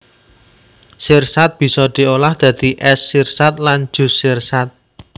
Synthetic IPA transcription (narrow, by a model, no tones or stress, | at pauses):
sirsat̪̚b̥i̤sɔd̪̥i̤olahd̪̥a̤d̪̥i̤ʔɛsːirsat̪̚land͡ʒ̥ṳsirsat̪̚